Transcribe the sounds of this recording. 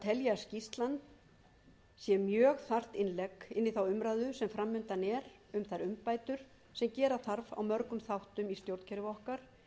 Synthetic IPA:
t̪ʰɛljascist̪lant̪ | sjɛmjœːɣθar̥t̪ɪnlɛkɪnːiθawʏmɾajðʏsɛmfɾamːʏnt̪anɛɾ | ʏmθaɾʏmpaːjt̪ʏɾ̥ | sɛmcɛːɾaθaɾva̰wmœɾkʏmθawht̪ʏmist̪jowɾt̪cʰɛɾʏvɔhkaɾ̥

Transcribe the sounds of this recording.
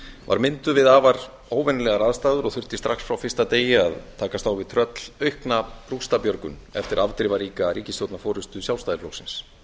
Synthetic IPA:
va̰ɾmɪnt̪ʏvɪðaːvaɾ | oːwvɛnlɛɣaɾaðst̪aːðʏɾɔɣθʏɾ̥t̪ɪ̥st̪ɾaxsfɾawfɪrst̪at̪eːjɪaðt̪ʰaːkast̪aːwvɪðt̪ʰɾœt̪l̥œɥhknapɾukst̪apjœɾkʏ̰nɛ̰ft̪ɪɾʔavt̪ɾɪvaɾiːkaɾiːcɪsjowt̪nafɔːɾʏst̪ʏsjawlst̪ajðɪɾlowsɪns

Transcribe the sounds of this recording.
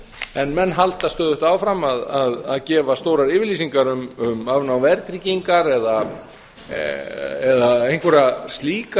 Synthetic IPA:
ɛnmɛnːɦalt̪ast̪œːðʏht̪aːwfɾamːaðaðaðcɛːvast̪oːwɾaɾɪːvɪɾlisiŋkaɾʏmʏmavnawvɛɾt̪ɾiciŋkaɾɛða | ɛðaejŋkʰvʏɾast̪liːka

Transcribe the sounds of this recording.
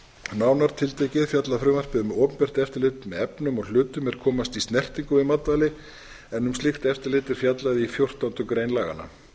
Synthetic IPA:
naːwnaɾ̥t̪ʰɪlt̪ejcɪðfjat̪laðfɾʏːmar̥pɪðʏmoːpʏnpɛr̥t̪ɛft̪ɪɾlɪt̪mɛðɛpnʏmɔɣl̥ʏːt̪ʏmɛɾ̥kʰɔːmast̪ist̪nɛr̥t̪iŋkʏvɪmat̪valɪ | ɛnːʏmst̪lɪxt̪ɛft̪ɪɾlɪt̪ɛɾ̥fjat̪laðifjowr̥t̪awnt̪ʏkɾejnlaːɣa̰nːa̰

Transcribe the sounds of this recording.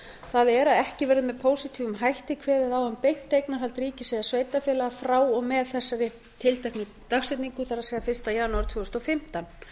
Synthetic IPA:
θaðɛɾaðɛhcɪvɛːɾɪðmɛðpʰoːwsɪt̪ʰivʏmɦajht̪ɪkʰvɛːðɪaðawhampejn̥t̪ːejknaɾɦalt̪riːcɪsɛɣðasvejt̪afɛːlaɣafɾaːwɔɣmɛðθɛsːaɾɪ | t̪ʰɪlt̪ajknɪ | t̪axsɛt̪niŋkʏθaɾasɛːɣafɪr̥st̪ajanuaɾt̪vʏːhʏst̪ɔfɪm̥t̪an

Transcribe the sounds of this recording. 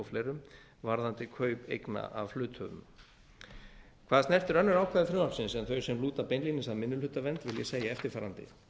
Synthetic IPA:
ɔflejɾʏm | vaɾðant̪ɪkʰœːɥpḛjkna̰ʔavflʏːt̪hœ̰vʏ̰m | kʰvaːðastnɛrft̪ɪɾœnːʏɾaːwkʰaðɪfɾʏlapsɪnsiːðanθœɥsɛmluːt̪apeːjnliːnɪsaðmɪnːʏlhʏt̪avɛnt̪vɪljɛ̰seːjaɛft̪ɪɾ̥faːɾant̪ɪ̰

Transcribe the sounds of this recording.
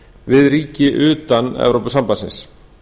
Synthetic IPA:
vɪðɾiːcɪʔʏːt̪anɛ̰vɾowpʏsampasɪ̰̃ns

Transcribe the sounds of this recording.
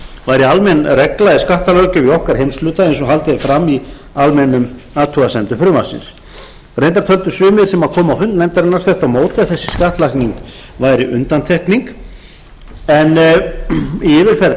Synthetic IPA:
vajɾɪalmɛnrɛklajðɪskaht̪alœɥcʏiɔhkaɾ̥hejmslʏːt̪aejns̬ɔɦalt̪ɪɛɾfɾamːi | almɛnʏm | aːt̪ʰuɣasɛnt̪ʏfɾʏːmasɪ̰ns | rejnt̪aɾ̥t̪ʰœlt̪ʏ̥sʏːmɪðsɛmaðkʰɔːmawfʏnt̪nɛjmt̪aɾɛnːaɾ̥fθɛr̥t̪awmoːwt̪ɪaðθɛsːɪ̥skaht̪lahkniŋk | vajɾɪʔʏnt̪ant̪ʰɛhkniŋk | ɛn | iɪːvɪɾ̥fɛɾ

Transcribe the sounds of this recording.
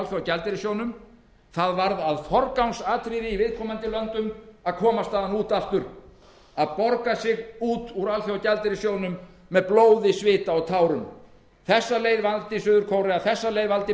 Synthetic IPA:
lθjawcɛlt̪ɪɾɪsjownʏm | θaðvaɾðaðfɔɾkawnsaːt̪ʰɾiːðɪivɪðkʰɔːmant̪ɪlœnt̪ʏmaðkʰɔːmast̪aːðanuːt̪aft̪ʏɾ | aðpɔɾkasɪɣuːt̪uɾalθjawacɛlt̪ɪɾɪsjoːwnʏmː | ɛðploːwðɪsvɪːt̪aɔɣt̪ʰaːwɾʏm | θɛsːaleːjðvalt̪ɪsʏːðʏɾkʰowɾɪaθɛsːaleːjðvalt̪ɪ

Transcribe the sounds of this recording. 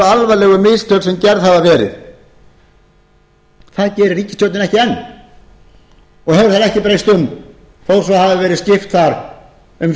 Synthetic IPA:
alvalɛːɣʏmɪst̪ʰjœwt̪sɛmcɛɾðhavavɛːɾɪ̰ð | θaðcɛːɾɪɾiːcɪ̥st̪jowt̪nɪnɛhcɪɛnː | ɔɣhɛvɾɪθaðɛhcɪpɾejst̪ʏm | fowɾsɔhavɪvɛːɾɪscɪft̪θaɾ̥ | ʏm

